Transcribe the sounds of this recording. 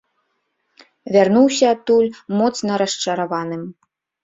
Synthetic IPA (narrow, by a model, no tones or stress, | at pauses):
vʲarnuwsʲɐːt̪ːulʲmɔt̪snɐɾɐʂt͡ʂɐɾavanɨm